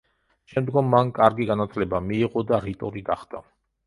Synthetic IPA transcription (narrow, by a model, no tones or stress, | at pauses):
ʃɛmd̪ɡɔmːankʼaɾɡiɡanat̪ʰlɛbamiːʁɔd̪aɾit̪ʼɔɾiɡaχd̪̥a